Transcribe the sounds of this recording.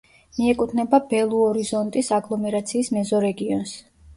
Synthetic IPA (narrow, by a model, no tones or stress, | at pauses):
miɛkʼut̪ʰnɛbabɛlˠuɔɾizɔnt̪ʼisaɡlˠɔmɛɾat̪sʰiːsmɛzɔɾɛɡiɔns